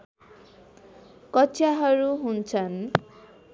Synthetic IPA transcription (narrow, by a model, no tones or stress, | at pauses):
kɔt͡ʃʰjaɦʌɾuɦunt͡ʃʰʌn